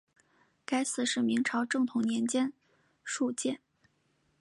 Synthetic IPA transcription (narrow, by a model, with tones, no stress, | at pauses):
ka˥ɪsɹ̩˥˩ʂɻ̩˥˩mi˧˥ŋʈ͡ʂʰɑ˧˥ʊʈ͡ʂɤ˥˩ŋt̪ʰʊ˧˥ŋnjɛ˧˥nt͡ɕjɛ˥n | ʂu˥˧t͡ɕjɛ˥˩n